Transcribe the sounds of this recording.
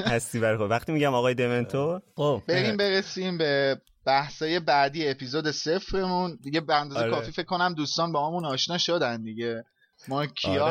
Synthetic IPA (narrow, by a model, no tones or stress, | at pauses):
hæst̪iːbæɾxovæχt̪iːmiɟæmɒɣɒːjed̪ement̪ʰoob̥eɾimbe̞ɾesiːmbe̞ | b̥æhsɒːje̞bæd̪iːeːpʰiːzoːd̪e̞se̞fɾe̞mund̪iɟe̞beænd̪ɒːzekʰɒːfiːfe̞kʰːo̞næmd̪uːst̪ɒːnbehɒːmunɒːʃnɒːʃod̪ænd̪iɟe̞ | mɒːcʰːiɒː